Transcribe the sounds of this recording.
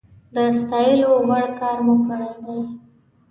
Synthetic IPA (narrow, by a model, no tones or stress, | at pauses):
d̪əst̪ɑjəloɣaɽkɑɾmʊkəɽajd̪aj